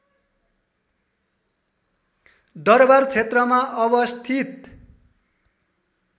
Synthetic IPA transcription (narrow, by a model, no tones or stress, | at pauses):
d̪ʌrbart͡sʰet̪rʌmaʔʌbʌst̪ʰit̪